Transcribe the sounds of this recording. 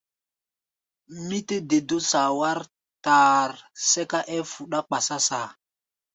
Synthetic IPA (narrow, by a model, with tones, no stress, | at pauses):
mi˦te˦de˨do˦sa˨wa˦ɾ | ta˨ɾsɛ˦ka˦ʔɛ˦fu˨ɗa˦k͡pa˨sa˦sa˨